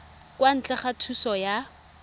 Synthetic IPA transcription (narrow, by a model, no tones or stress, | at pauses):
kwan̩t͡ɬɛχatʰusɔja